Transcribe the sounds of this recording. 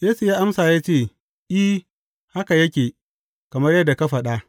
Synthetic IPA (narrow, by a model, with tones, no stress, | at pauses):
jeː˦su˨jaː˦ʔa˦msaː˨jaː˦t͡ʃeː˦˨ | ʔi˦ | ha˦ka˨jɐ˦kʲeː˨ | kɐ˨mɐ˦rjɐ˦dːa˨ka˦ɸɐ˨ɗa˦ʔ